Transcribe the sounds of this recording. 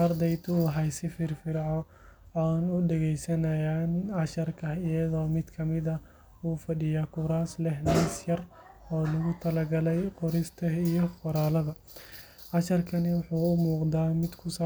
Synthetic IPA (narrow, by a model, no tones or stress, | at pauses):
ɐrd̪ɛjt̪ʰuːɦɐjsɪfɪrfɪɾʕɔ | aːnʊɖɛɣɛjsɐnɐjaːnʕɑʃɐrkʰɐɪjɐðɔːmɪd̪kʰɐmɪðɐ | uːfɐɗɪjaːkʰʊɾaːslɛɦnaːsjɐr | ɔːlɐɣʊt̪ʰɐlɐɡɐlɛjqʊɾɪst̪ʰɐijɔqɔɾaːlɐðɐ | ʕɑʃɐrkʰɐnɪwʊħuːʊmuːqd̪aːmɪd̪kʰʊsaː